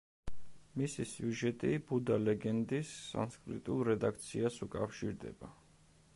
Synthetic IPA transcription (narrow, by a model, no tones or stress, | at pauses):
misisiuʒɛt̪ʼibud̪alɛɡɛnd̪isːa̰nskʼɾḭt̪ʼulˠɾɛd̪ak̚ʰt̪sʰiasukʼafʃiɾd̪ɛ̰ba